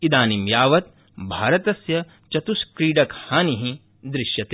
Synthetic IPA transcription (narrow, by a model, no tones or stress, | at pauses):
id̪aːnimjaːʋɐt̪̚ | bʱaːɾɐt̪ɐsjɐ | t͡ʃɐt̪uskɾiːɖɐkhaːniɦĩ | d̪ɾɪʃjɐt̪e